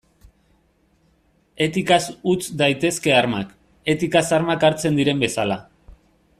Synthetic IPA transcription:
e̞t̪ikasut͡sd̪ajt̪e̞ske̞aɾmak | e̞t̪ikasaɾmakaɾt͡se̞nd̪iɾe̞mbe̞sala

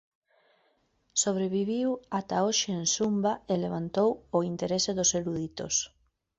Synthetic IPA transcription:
soβ̞ɾeβ̞iβiwat̪aoʃɪːnsumbaeleβ̞ant̪owoint̪eɾeseðoseɾuðit̪o̰s

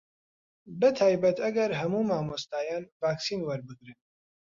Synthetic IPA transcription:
bət̪ʰaːjbɐt̪ʰɐɡɐɾɦɐmuːmaːmost̪aːjaːnvaːksiːnwɐɾbɨɡɾɨn

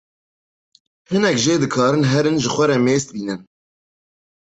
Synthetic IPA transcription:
hɨnɛkʒeːd̪ɨkʰɑːɾɨnɦɛɾɨnʒɨxʷɛɾɛmeːst̪̚biːnɨn

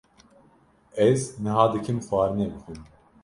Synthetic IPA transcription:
ɛznɨɦɑːd̪ɨkʰɨmxɑːɾɨnɛbɨfɨn

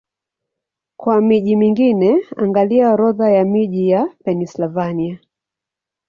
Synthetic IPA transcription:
kwamiʄimiŋɡinɛa̰ŋɡaliaɾɔðajamiʄijapɛnislavania

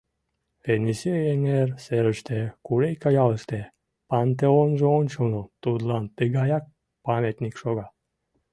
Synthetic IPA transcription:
eniseeŋeɾseɾə̆ʃt̪ʰekuɾejkajɑləʃt̪e | pant̪eonʒəont͡ʃonut̪ud̪lˠɑnt̪ɨɡajɑk̚ | pamet̪nikʃoɡɑ

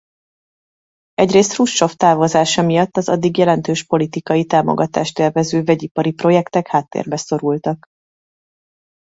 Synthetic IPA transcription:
ɛɟreːst̪ruʃt͡ʃo̞ft̪aːvozaːʃɒmijɒt̪ːɒzɒ̰d̪ːiɡjɛlɛnt̪øːʃpo̞lit̪ikɒjit̪aːmo̰ɡɒt̪a̰ːʃt̪ɛrvɛzøːvɛɟipɒɾipro̞jɛkt̪ɛkhaːt̪ːḛːrbɛso̞ɾult̪ɒk

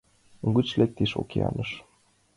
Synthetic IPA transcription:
ɡut͡ɕlek̚t̪iʃo̰kiɑ̰nɤʃ

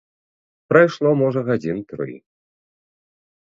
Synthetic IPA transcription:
pɾɐjʂlˠɔmɔʐɐɣad͡zʲint̪ɾɨ̰j

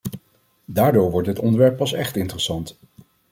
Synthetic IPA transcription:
daːɹdoːɹʋɔɹtdɦətɔndəɹʋɛɹpːɑsɛχtɪntərəsɑnt

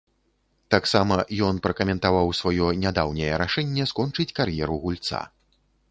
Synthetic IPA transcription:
t̪aksamɐjɔn̪pɾɐkɐmʲɛnt̪avawsvajɔnʲad̪awnʲɛjɛɾaʂɛnʲːɛskɔnt͡ʂɨt͡sʲkarjɛɾuɣulʲt̪sa̰

